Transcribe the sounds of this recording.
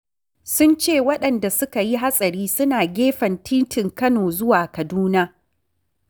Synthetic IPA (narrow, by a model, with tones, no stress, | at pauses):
sʊ˦nt͡ʃeː˦˨wɐ˦ɗɐ˨nda˨sʊ˦ka˨ji˦ɦa˦sʼɐ˨ɾiː˦sʊ˦naː˨ɡʲeː˦ɸɐ˨ntʰiː˦tɪ˨ŋkɐ˦noː˨zʊ˦waː˨kɐ˨duː˦naː˦